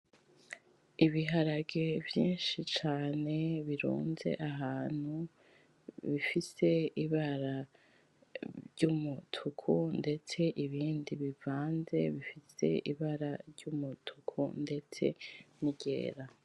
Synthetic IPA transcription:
iβiɦaɾaɡevjiːnʃit͡ʃaːne̞βiɾṵːnze̞̰ʔaɦaːn̥hu | βifise̞iβaɾa | ɟumutʰukʰunde̞t͡se̞ʔiβiːndiβivaːnze̞βifise̞̰iβaɾaɾɟumutʰukʰṵnde̞t͡se̞̰niɟ̥ḛːɾa

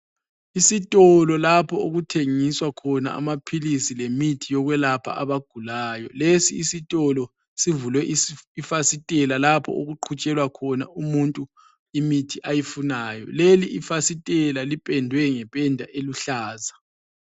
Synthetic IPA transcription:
isitʼɔlɔlapʰɔoɣutʰeŋiswakʰɔna̰a̰mapʰilisilemitʰijɔɣwɛlapʰa̰ʔaβaɡ̥ʱulaːjɔlesiːsitʼɔlɔ | sivulwɛʔifasitʼɛlalapʰɔ̰ʔoɣuǃʰut͡ʃʼɛlwakʰɔnaumuntʼu | imitʰiʔajifunaːjɔ̰leliʔifasitʼɛlalipʼɛndʱwɛŋɛpʼɛndʱa̰ʔeluɬaːza

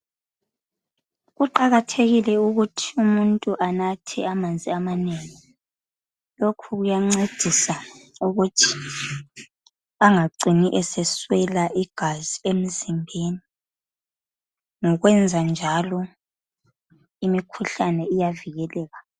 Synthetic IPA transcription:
ɣuǃaɣatʰeɣilɛuɣutʰiumuntʼuʔanatʰɛ̰amand͡zʱiamaneŋi | lokʰuɣujaŋ͡ǀed̥ʱisauɣutʰi̥ | aŋaɡ͡ǀʱiniʔɛsɛswɛlaʔiɡ̥ʱaziem̩zimbʱeni | ŋɔɣwɛnd͡zʱand͡ʒʱalɔ | imikʰuɬanɛijaviɣɛlɛːɣa

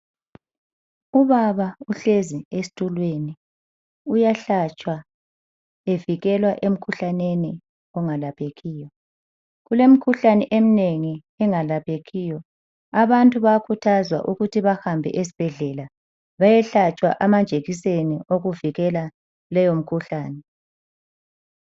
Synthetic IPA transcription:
uβaβauɬeziesi̥tʼulweni | ujaɬat͡ʃʼwa | eviɣɛlwaʔem̩kʰuɬaneni | ɔŋalapʰʼeɣiːjɔ | ɣulem̩kʰuɬanɛʔem̩neŋi | ɛŋalapʰʼeɣiːjɔ | aβantʼuβaakʰutʰazwa̰ʔuɣutʰiβahambʱɛ̰ʔesi̥b̥ʱɛɮɛla | βajɛɬat͡ʃʼwa̰ʔamand͡ʒʱeɣisenioɣuviɣɛla | lɛjom̩kʰuɬaːnɛ

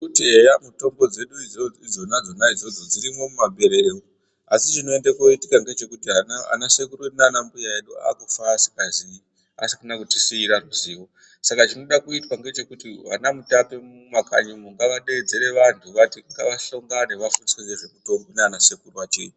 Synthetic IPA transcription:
utiejamuto̞mbo̞d͡ze̞ɗuiid͡zo̞nad͡zo̞naid͡zo̞d͡zo̞d͡ziɾimo̞mumaɓʱe̞ɾe̞ɾeo | asit͡ʃino̞e̞ndekoitikaŋɡe̞t͡ʃe̞kutiana̰nase̞kuroneanambujaeɗua̰kufaːsi̥kazii | a̰sikanakutisiiɾaruziːʋo̞ | sakat͡ʃino̞ɗakuitwaŋɡe̞t͡ʃe̞kutiʋa̰namutape̞mumaka̰ɲomoŋɡaʋaɗed͡ze̞ɾe̞ʋantʰuʋatiŋɡaʋaɬo̞ŋɡaneʋafunswed͡zeʐe̞muto̞mboneanase̞kuruwat͡ʃeːju

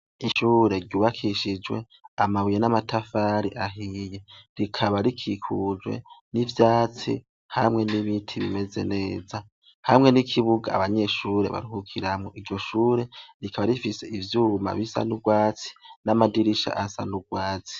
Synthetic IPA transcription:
iʃuːɾe̞ɾɟuːβakʰiʃid͡ʒwe̞ | amaβujenamatafaɾiʔaɦije̞ɾikʰaβaɾikʰikʰud͡ʒwe̞̰nivjaːt͡sḭ | hamŋe̞niβiːtʰiβime̞ze̞̰ne̞ːza | hamŋe̞nikʰiβuɡa̰ːβaɲe̞ʃuːɾe̞̰βa̰ɾihukʰiɾamŋoʔiɾɟo̞ʃuːɾe̞ɾikʰaβaɾifise̞ivjuːma̰βisa̰nuɡwaːt͡si̥namadiɾiʃa̰ʔasa̰nuɡwaːt͡si̥

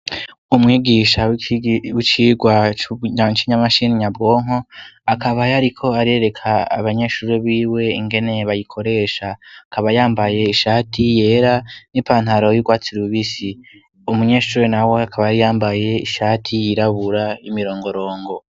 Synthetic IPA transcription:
umŋiːɡiʃawwit͡ʃiːɡwaɲat͡ʃiɲamaʃiniɲabɡo̞ːŋo̞akʰaβajaɾikʰo̞aɾieɾe̞kʰaa̰βaɲe̞ːʃuɾiβiːwe̞ḭŋɡe̞ne̞βajikʰo̞ɾe̞ʃakʰaβajaːmbaje̞iʃaːtʰije̞ɾanipaːn̥haɾo̞juɡwaːt͡siɾuβisi | umuɲe̞ːʃuɾenaweakʰaβajaɾijaːmbaje̞iʃaːtʰijiɾaβuɾaimiɾo̞ːŋɡo̞ɾo̞ːŋɡo̞

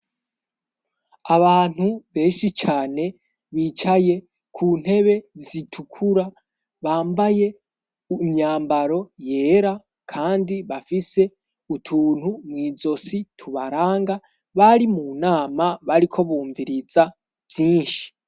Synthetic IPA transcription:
aβaːn̥huβe̞ːnʃit͡ʃaːne̞ | βiːt͡ʃaje̞ | kʰuːn̥he̞βe̞zitʰukʰuɾa | βaːmbaje̞ | umɲaːmbaɾo̞je̞ːɾa | kʰaːndiβafise̞ | utʰuːn̥humŋiːzo̞sitʰuβaɾaːŋɡa | βaɾimunaːmaβaɾikʰo̞βuːɱviɾiza | vjiːnʃi̥

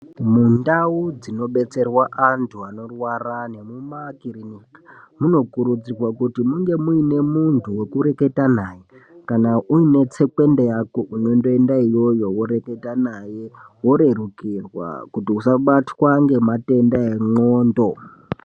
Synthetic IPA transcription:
mundaud͡zino̞ɓe̞t͡se̞rwaʔantʰuano̞rwarane̞mumakirinikḁ | muno̞kuɾud͡zirwakutimuŋɡe̞muine̞muntʰuwe̞kuɾe̞ke̞tanaje̞ | kanauine̞t͡se̞kwe̞ndejakoʔuno̞ndo̞e̞ndaijo̞jo̞wo̞ɾe̞ke̞tanaje̞wo̞ɾe̞rukirwa̰kutiusaɓatwaŋɡe̞mate̞ndaeŋoːndo̞

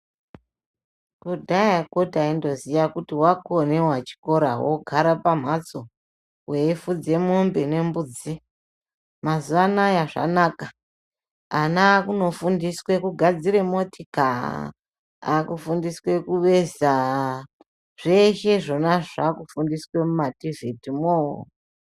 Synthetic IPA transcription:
kudʱajakotaindo̞zijakutiwakone̞wat͡ʃi̥ko̞ɾawoɡʱaɾapam̤at͡so | wefud͡ze̞mombene̞mbud͡zi | mazuʋanajaʐa̰naka | anakuno̞fundiswe̞kuɡʱad͡ziɾe̞motʰika̰ | a̰kufundiswe̞kuʋe̞za | ʐ̥e̞ʃe̞ʐo̞naʐakufundiswe̞mumativetimo̰

